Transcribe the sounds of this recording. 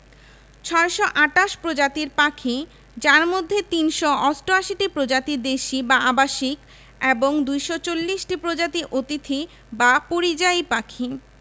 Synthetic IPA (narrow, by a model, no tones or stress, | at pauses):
t͡ɕʰɔeʃɔʔaʈaʃpɾod͡ʑat̪iɾpakʰi | d͡ʑaɾmod̪ʱːet̪inʃɔɔsʈoaʃiʈipɾod͡ʑat̪id̪eʃibaabaʃik | eboŋd̪ujʃɔt͡ɕolːiʃʈipɾod͡ʑat̪iʔot̪it̪ʰi | bapoɾid͡ʑajpakʰi